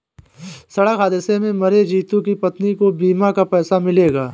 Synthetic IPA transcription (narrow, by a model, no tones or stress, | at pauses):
sɐɽəkɦaːd̪ɪsemẽmɐɾed͡ʒiːt̪ũkipɐt̪nikobiːmakapɛːsamɪleːɡaː